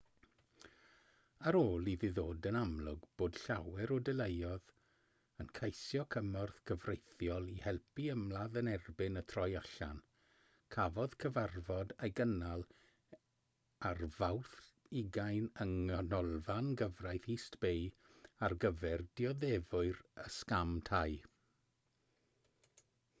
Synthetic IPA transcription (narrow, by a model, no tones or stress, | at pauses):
aɾoːlˠiðiðoːdənamlˠʊɡb̥oːd̥ɬawɛɾɔdɛlejɔð | ənkʰejsjɔkʰəmɔrθɡ̥əvrejθjɔlˠihɛlˠpiəmlaðənɛrbɪnətʰrɔjaɬa̰n | kʰavɔð̥kʰəvarvɔdejɡənalˠ | arvawθ | ɪɡajnəŋɔnɔlˠvanɡəvrajθiːstb̥ej | arɡəvɛrd̥iɔðɛvʊɨrəskamtʰaj